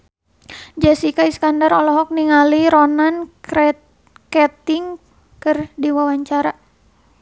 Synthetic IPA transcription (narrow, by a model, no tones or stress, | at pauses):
d͡ʒasikaiskandaɾɔlɔɦɔk̚niŋaliɾɔnan | kɛt̪iŋ | kɨrdiwawaɲt͡ʃaɾa